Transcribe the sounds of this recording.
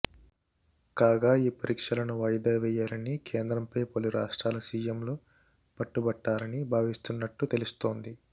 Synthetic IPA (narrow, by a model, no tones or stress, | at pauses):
kaːɡaːiːpɐɾiːkʂɐlɐnuʋɐjd̪ɐːʋɛːjːaːɾɐnikʰeːnd̪ɾɐmpɐjpoluɾaːʂʈɾaːlɐsiːjemloː | pɐʈːubɐʈːaːɾɐnibʱaːʋist̪unːɐʈːut̪e̞lust̪o̞ːnd̪i